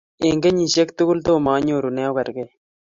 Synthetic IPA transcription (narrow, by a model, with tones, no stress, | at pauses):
e˨ŋɡe˦ɲi˨ʃe˦k̚t̪u˦ɡu˦lt̪oː˦˨maː˨˦ɲoː˦˨ɾu˨nɛ˦o˦kɐ˨ɾɡe˦